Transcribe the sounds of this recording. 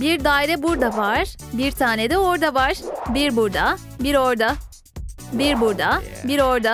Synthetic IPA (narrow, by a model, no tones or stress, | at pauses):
biɾd̪aːiɾɛbuɾd̪avaɾ | biɾt̪ʰaːned̪ɛoɾd̪avaɾ̥biɾbuɾd̪a | biɾoɾd̪a | biɾbuɾd̪abiɾoɾd̪a